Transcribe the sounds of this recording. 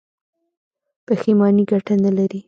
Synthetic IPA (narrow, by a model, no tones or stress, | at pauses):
p̪əximɑniɡaʈanalaɾi